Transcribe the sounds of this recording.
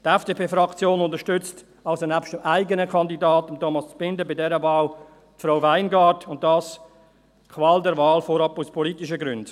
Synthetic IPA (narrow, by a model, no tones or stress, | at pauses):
tɛfd̥eːpʰeːfɾɑkt͡sjoːnʊntəʃtʏt͡st | ɑlsonæpʃtəmʔaɪɡənəkʰɑndidɑːtʊmtʰɔmɑst͡spɪndəbɪdɛɾəvɑːl | tfɾaʊvaɪnɡɑːdʊnt̚d̥ɑːs | kʰvɑːldɛɾvɑːlfoɾɑpuspʰɔlitɪʃəɡɾʏnd